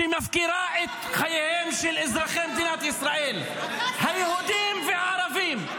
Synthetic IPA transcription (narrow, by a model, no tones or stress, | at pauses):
imafkiɾaːʔɪt̪ | xajheːmʃilʔɪzɾˤɑxeːmd̪iːnat̪ʔɪsɾˤɑːʔiːl | hajahuːd̪iːɪmfiʕɑɾˤɑviːm